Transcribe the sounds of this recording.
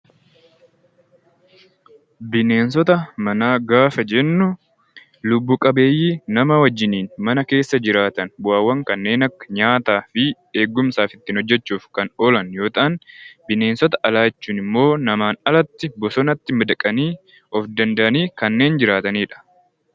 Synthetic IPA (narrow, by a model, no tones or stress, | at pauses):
bɪne̞ːnsɔt̪ɐmɐnaːɡaːfɐd͡ʒɛnːʊ | lʊbːuːkʼɐbe̞ːjːiːnɐmɐwɐd͡ʒːɪniːnmɐnɐke̞ːsːɐd͡ʒɪɾaːt̪ɐnwaːwːɐŋkɐnːe̞ːnɐkːɐ̥ɲaːt̪aːfɪ | eːɡːʊmsaːfɪt̪ːɪːnhɔd͡ʒːɛt͡ʃːuːfkɐnoːlɐnjo̞ːt̪aːnbɪne̞ːnsɔt̪ɐʔɐlaːt͡ʃːuːnɪmːo̞ːnɐmaːnɐlɐt̪ːɪbɔsɔnɐt̪ːɪmɪd̪ɐkʼɐniː | ɔfd̪ɐnd̪ɐʔɐniːkɐnːe̞ːnd͡ʒɪɾaːt̪ɐniːᶑɐ̥